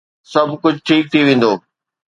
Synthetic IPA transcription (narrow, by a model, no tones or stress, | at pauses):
sɐbʱkʊd͡ʑʱʈʰiːk̚t̪ʰiʋẽːn̆d̪oː